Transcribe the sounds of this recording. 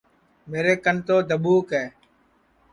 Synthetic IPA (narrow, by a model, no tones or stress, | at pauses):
meːɾeːkənt̪oːd̪ʱəɓuːkɛː